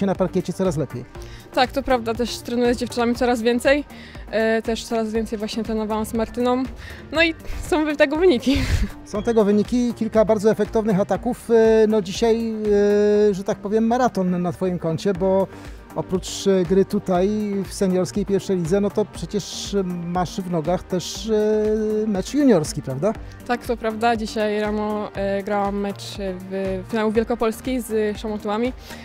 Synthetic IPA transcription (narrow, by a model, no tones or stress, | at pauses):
ɛnapaɾkʲɛt͡ɕɛt̪ɔɾaslɛpʲjejt̪akt̪ɔpɾavd̪at̪ɛʂt̪ɾɛnujɛzd͡ʑɛft͡ʂɨnamʲit̪ɔɾazvʲjɛnt̪sɛj | t̪ɛʂt̪sɔɾazvʲɛnt̪sɛjvwaɕɲɛt̪ɾɛnɔvawamsmaɾt̪ɘnɔm | nɔisɔ̃w̃vt̪ɛɡɔvɘɲikʲisɔ̃w̃t̪ɛɡɔvɘɲikʲikʲilkabaɾd̪zɔɛfɛk̚t̪ɔvnɘxat̪akufnɔd͡ʑiɕaj | ʐɛt̪ak̚pɔvʲjɛmːaɾat̪ɔnːat̪fɔjimkɔɲt͡ɕɛbɔ | ɔpɾut͡ʂɡɾɘt̪ut̪ajfsɛɲjɔɾskʲejpʲjɛɾfʂɛjlʲid̪zɛnɔt̪ɔpʂɛt͡ɕɛʂmaʂvnɔɡaxt̪ɛʂ | mɛt͡ʂjuɲɔɾskʲipɾavd̪a | t̪akt̪ɔpɾavd̪ad͡ʑiɕajɾanɔɡɾawamːɛt͡ʂvfʲinawuvʲjɛlkɔpɔlskʲizʂamɔt̪uwamʲi